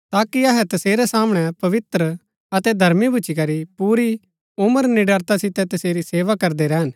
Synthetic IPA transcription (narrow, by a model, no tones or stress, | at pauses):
t̪aːkiɐɦɛt̪ɐseːɾɛsaːməɽ̃ɛpɐʋɪt̪ɾə | ɐt̪ɛd̪ʱɐɾmibʱʊt͡ʃikɐɾipuːɾi | ʊməɾnɪɖəɾt̪asɪt̪ɛt̪ɐseːɾiseːʋakɐɾd̪eɾɛɦən